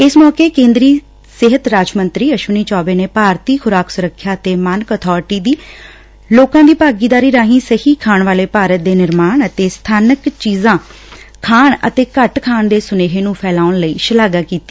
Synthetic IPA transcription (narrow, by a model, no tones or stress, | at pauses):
ɪsmɔːkeːkẽːnd̪ɾiː | sɪɦət̪ɾaːd͡ʒmənt̪ɾiːəʃʊniːt͡ʃɔːbeːneːpaːɾt̪iːkʰʊɾaːksʊɾəkʰːjaːət̪eːmənkət̪ʰɔːɾʈiːd̪iː | loːkãːd̪iːpaːɡiːd̪aːɾiːɾaːɦĩːsəhiːkʰaːɳʋaːleːpaːɾət̪̚d̪eːnɪɾmaːɳət̪eːst̪ʰaːnəkt͡ʃiːzãː | kʰaːɳə̰t̪eːkəʈkʰaːnd̪eːsʊneːɦeːnũːpʰɛːlaːʊɳləiːʃəlaːɡaːkiːt̪i̥ː